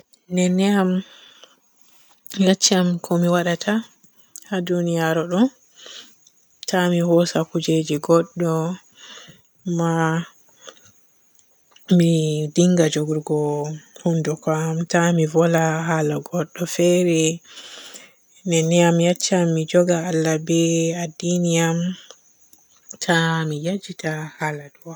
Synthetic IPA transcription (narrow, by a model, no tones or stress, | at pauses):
nɛnɛjam | jat͡ʃːamkʰɔmiwaɗatʰa | hadunijaɾɔɗɔ | tʰamihɔsakud͡ʒed͡ʒiɡɔɗːɔ | ma | midiŋɡad͡ʒɔɡuɾɡɔhundukamtamivɔlaɦalaɡɔɗːɔfɛɾɛ | nɛnɛamjat͡ʃːamːid͡ʒɔɡaalːabɛadinijam | tʰamijad͡ʒitʰahaladuwa